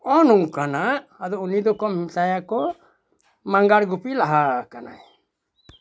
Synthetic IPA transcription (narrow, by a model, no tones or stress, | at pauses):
ɔnuŋkanaʔad̪ɔunid̪ɔkɔmisajakɔ | maŋɡaɽɡupilaɦakana̰j